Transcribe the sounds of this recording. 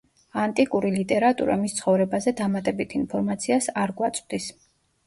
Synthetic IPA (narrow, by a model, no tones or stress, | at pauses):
ant̪ʼikʼuɾilit̪ʼɛɾat̪ʼṵɾa̰mist̪sʰχɔvɾɛbazɛd̪amat̪ʼɛbit̪ʰinpʰɔɾmat̪sʰiasaɾɡwat̪sʼwd̪is